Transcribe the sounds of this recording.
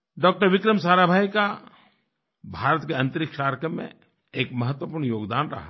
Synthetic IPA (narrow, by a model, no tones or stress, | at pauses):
ɖɔːk̚ʈəɾʋɪkɾəmsaːɾabʱaːjka | bʱaːɾət̪keɐ̃nt̪əɾɪkʰʃaːɾkəmːḛ̃ | eːkmɐɦət̪wəpuːɾɳjoːɡd̪aːnɾɐ̰ɦa